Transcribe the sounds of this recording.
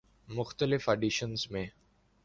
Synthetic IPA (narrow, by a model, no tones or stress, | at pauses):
mʊxt̪əlɪfəɖiʃənzmẽ